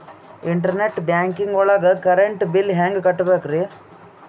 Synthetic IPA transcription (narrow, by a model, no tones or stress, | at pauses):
ɪɳʈɐɾneʈbjaːŋkɪŋɡɔɭɐɣɐkɐɾɛɳʈbɪlɦaːŋɡkɐʈːɯbeːkːɯɾi